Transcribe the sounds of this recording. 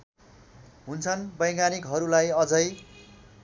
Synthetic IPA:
ɦunt͡sʰʌnbʌjɡanikɦʌɾulajʌd͡zʌj

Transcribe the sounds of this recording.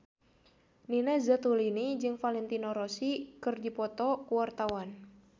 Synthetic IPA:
ninɛzət̪ulinid͡ʒɨŋfalɛnt̪inɔɾɔsikɨrdipɔt̪ɔkuwart̪awan

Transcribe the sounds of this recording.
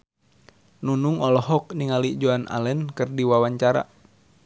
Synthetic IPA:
nunuŋɔlɔɦɔk̚niŋalid͡ʒoanʔa̰lɛnkɨrdiwawaɲt͡ʃaɾa̰

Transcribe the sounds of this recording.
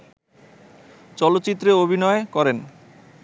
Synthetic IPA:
t͡ɕɔlot̪ːt͡ɕit̪ːɾeobʱinɔekɔɾen

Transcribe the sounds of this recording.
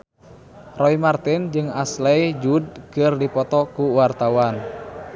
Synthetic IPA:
rɔimart̪ind͡ʒɨŋaslɛjd͡ʒud̚kɨrdipɔt̪ɔkuwart̪awan

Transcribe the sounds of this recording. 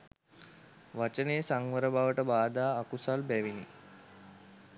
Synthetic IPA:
ʋat͡ʃəneːsaŋʋəɾəbʱaʋəʈəbaːd̪aːkusalbæʋini

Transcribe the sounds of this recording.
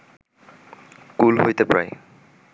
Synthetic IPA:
kulɦojt̪epɹa̰j

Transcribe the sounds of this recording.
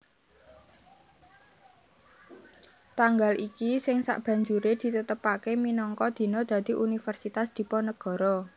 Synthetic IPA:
t̪aŋɡalʔikisɪŋsa̰ʔb̥ä̤ɲd͡ʒuɾed̪̥i̤t̪ət̪əpakeminɔŋkɔd̪̥i̤nɔd̪̥a̤d̪̥i̤ʔunifərsit̪asd̪̥i̤pɔnəɡ̥ɔ̤ɾɔ

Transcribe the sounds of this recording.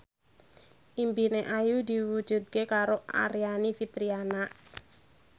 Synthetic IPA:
ʔimbineʔajud̪iwud̥d͡ʒ̥ṳd̪̚kekaɾoa̰ɾijanifit̪ɾianaʔ

